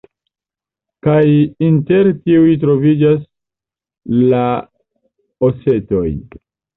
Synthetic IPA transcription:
kajinte̞ɾtiujit̬ɾo̞vid͡ʒas | la | ose̞to̞j

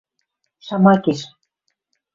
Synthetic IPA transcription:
ʃɑmɑkeʃ

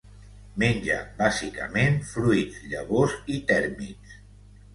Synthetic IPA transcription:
menʲd͡ʒə̰bazikə̰menfɾuizʎəβozit̪ɛɾmḭs

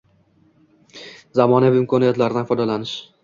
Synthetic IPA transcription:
zamɒnavɪɪmkʰɒnijat̪laɾɪd̪anfɒjd̪alanɪʃ

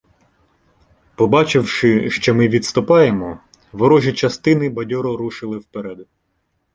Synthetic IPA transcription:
pɔbɑt͡ʃɪwʃɪʃt͡ʃɔmɪʋʲid̪t̪st̪ʊpɑjemɔ | ʋɔɾɔʒʲit͡ʃɐst̪ɪnɪbɐdʲɔɾɔɾuʃɪlˠɪwpeɾɛd̪

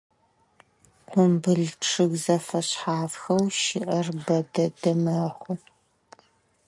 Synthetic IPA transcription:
qʷʊmbɨɮʈ͡ʂʰɨɣzɐfɐɕħaːfxɐwʃɪʔɐrbɐdɐdɐmɐχʷʊ

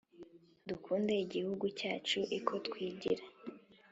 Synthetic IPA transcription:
dukʰuːnde̞iɟihuɡucaːt͡ʃuʔikʰo̞tkwiːɟiɾa

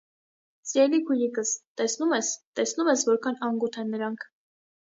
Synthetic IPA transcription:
t͡sɾɛlikʰujikəst̪ɛsnumɛst̪ɛsnumɛsvɔɾkʰɑnɑŋɡut̪ʰɛnːəɾɑŋkʰ

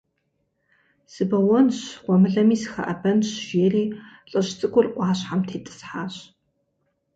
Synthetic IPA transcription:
sɨbɐwɔnɕʁʷɔmɨɮɐmiːsɨ̥xɐ̰ʔɐbɐnɕʒeːriːɬʼɨʃt͡sʼɨkʷʼʊrʔʷɑːɕħamtʰeːtʼɨ̥sħaːɕ

